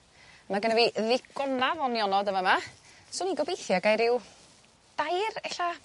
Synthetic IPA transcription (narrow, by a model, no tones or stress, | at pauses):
maɡənɛviðɪɡɔnavɔnjɔnɔdəmama | sʊːniɡɔbejθjaɡajɾɪw | d̥ajrɛɬa